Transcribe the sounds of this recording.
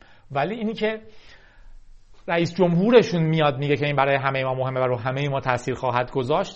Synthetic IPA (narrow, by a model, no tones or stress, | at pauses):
væliːiːnicʰe̞ | ɾæiːsd͡ʒomhuːɾe̞ʃuːnmijɒːd̪miːɟe̞cʰe̞iːnbæɾɒːjeɦæmejemɒːmoɦe̞mːæɾuɦæmejemɒːt̪ʰæsiːɾxɒːɦæd̪ɡo̞zɒːʃt̪